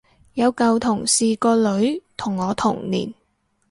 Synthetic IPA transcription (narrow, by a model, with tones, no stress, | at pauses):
jɐ˨˧wkɐ˨wt̪ʰʊ˨˩ŋsiː˨kɔː˧lɵ˨˥ɥt̪ʰʊ˨˩ŋːɔː˨˧t̪ʰʊ̰˨˩ŋnḭː˨˩n